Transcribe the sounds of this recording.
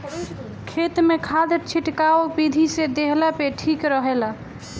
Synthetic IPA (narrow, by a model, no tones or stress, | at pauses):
kʰet̪mekʰad̪əɾt͡ʃʰiʈkaopid̪ʱised̪eɦlapeʈʰikɾəɦela